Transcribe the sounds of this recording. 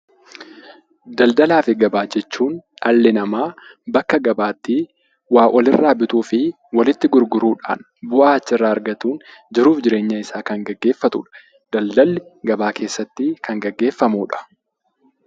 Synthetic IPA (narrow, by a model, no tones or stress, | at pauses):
d̪ɐld̪ɐlaːfɪɡɐbaːd͡ʒɛt͡ʃːuːnᶑɐlːɪnɐmaːbɐkːɐɡɐbaːt̪ːi | waːʔɔlɪrːaːbɪt̪uːfɪ | wɐlɪt̪ːɪɡʊɾɡʊɾuːᶑa̰ːn | bʊʔaːt͡ʃːɪrːaːɐɾɡɐt̪uːnd͡ʒɪɾuːfd͡ʒɪɾe̞ːɲːɐɪsaːkɐŋɡɐɡːe̞ːfːɐt̪ṵːᶑɐ̥ | d̪̥ɐld̪ɐlːɪɡɐbaːkʰe̞ːsːɐt̪ːɪkɐŋɡɐɡːe̞ːfːɐmuːᶑɐ̥